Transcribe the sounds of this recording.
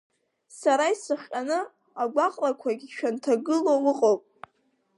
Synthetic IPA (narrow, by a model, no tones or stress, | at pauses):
saɾaisɨχʲʼanɨ | aɡʷaqʼlakʷʰaɡʲiʃᶣʰantʰaɡɨlowɨqʼowpʼ